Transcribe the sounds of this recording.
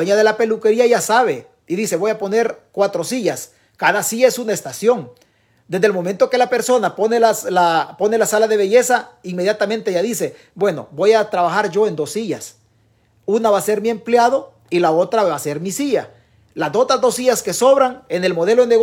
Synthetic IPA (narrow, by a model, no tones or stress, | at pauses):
eɲaðe̞lape̞luke̞ɾiaʝasaβe̞ | iðise̞βo̞japo̞ne̞ɾkwat̪ɾo̞siʝas | kaðasiesunae̞st̪asjo̞ŋ | d̪e̞zðelmo̞me̞nt̪o̞ke̞lape̞ɾso̞naponelaslapo̞ne̞lasalaðe̞βeʝe̞saiŋme̞ðjat̪amẽnt̪eʝaðise̞ | bwe̞no̞̰bo̞jat̪ɾaβaxaɾʝo̞end̪o̞siʝas | unaβase̞ɾmiempljaðo̞ | ilaot̪ɾaβase̞ɾmisiʝa | lazd̪ot̪ɾazd̪o̞siʝaskeso̞βɾaŋene̞lmo̞ð̞e̞lo̞ðeneɣ